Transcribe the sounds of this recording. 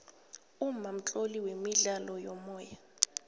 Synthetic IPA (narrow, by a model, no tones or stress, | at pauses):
umam̩t͡ɬʼoliwemiɮalɔjɔmɔːja